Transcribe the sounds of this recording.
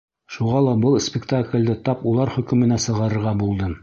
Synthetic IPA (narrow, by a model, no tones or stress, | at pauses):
ʃuʁɑlˠɑbɤlˠsʲpʲɪkt̪aklʲd̪ɘt̪ɑpulˠɑɾχɵ̆kɵ̆mɘ̆næsɤ̆ʁɑɾɤ̆ɾʁɑbulˠd̪ɤ